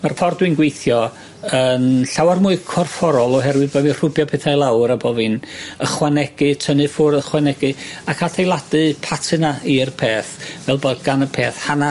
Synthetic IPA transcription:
marfɔrdwɪɨnɡwejθjɔ | ənɬawarmʊɨkʰɔrfɔɾɔlˠɔɦɛɾwɨðbamir̥ʊbjɔpʰɛːθajlˠawɾabɔvɨnəχwanɛɡ̥ɨtʰənɨfʊrəχwanɛɡɨakʰatʰejlˠadɨpʰatʰɨnairpʰeːθvɛlˠbɔɡ̥anəpʰeːθhana

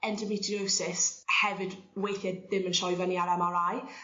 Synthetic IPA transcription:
ɛndəmɪtʰioːsɪshɛvɪdwejθjɛðɪmənʃɔjvaniaɾɛmaɾaj

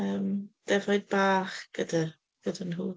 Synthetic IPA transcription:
əːmd̥ɛvɔjd̚baːχɡ̥ədər | ɡ̥ədənɦuː

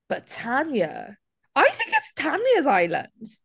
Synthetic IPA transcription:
b̥ətʰanjə̰ | aɪθɪ̃ŋkɪtstʰanjəzaɪlə̰̃ndz̥

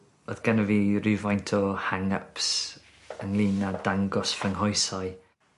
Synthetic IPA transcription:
o̰ðɡ̥anəviːrɪvajntʰɔhaŋəps | əŋlˠiːnːadaŋɡɔsfəŋɦɔjsɔɨ

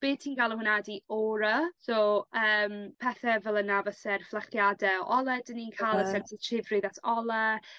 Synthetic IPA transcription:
b̥eːd̥̚tʰiːnɡalˠənhwɪnadiɔːɾəsoːəːmpʰɛθɛvɛlˠənavəsɛrflˠaχjadɛɔʔɔlˠɛdəniːnkʰalˠəsɛk̚sʰitʰrɪvrɨðatʰɔlˠɛ

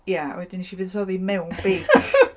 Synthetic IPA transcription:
ja̰wɛdɪniʃivɨðsɔðimɛwnb̥ej

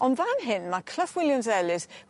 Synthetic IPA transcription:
ɔnðanɦɪnmakʰl̥əfwɪljamzɛlɪs

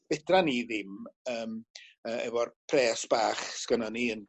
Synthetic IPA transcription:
b̥ɪdraniːðɪməːməːɛ̰vɔrpʰrɛːsb̥aːχskənɔniən

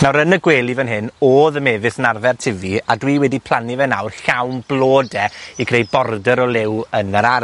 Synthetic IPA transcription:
nawɾənəɡweːlˠivɛnɦɪnoːðəmɛːðɪsənarvɛrtʰɪviadwiːwɛdipʰl̥ˠanivɛna̰wrɬawnb̥lˠoːdɛikʰrejbɔrdəɾɔlˠɪwənəɾa

